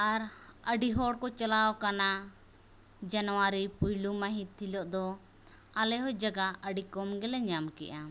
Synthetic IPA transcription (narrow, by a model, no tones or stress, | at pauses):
aɾəɖiɦɔɽkɔt͡ʃalaɔkana | d͡ʒanɔwaɾipujlumaɦĩt̪ʰːilɔʔd̪ɔ | alɛɦɔd͡ʒaɡaəɖikɔmɡɛlɛɲd͡ʒamkɛ̰ʔa